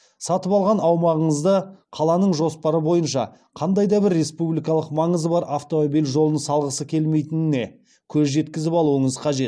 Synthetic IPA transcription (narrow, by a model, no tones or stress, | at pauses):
sɑt̪əpɑlˠʁɑnɑwmɑʁəɴəzd̪əqʰɑlˠɑnəɴʒo̞spɑɾəbo̞jənʃɑ̰ | qʰɑnd̪ɑjd̪ɑbɪɾːe̞spublʲijkɑlˠəqmɑɴəzəbɑɾʔaft̪o̞mobijlʒo̞lˠnəsɑlˠʁəsəkʲʰe̞lme̞jt̪ɪnɪne̞ | kʲʰɵzʒe̞t̪kʲɪzɪpɑlˠuəɴəzqʰɑʒe̞t̪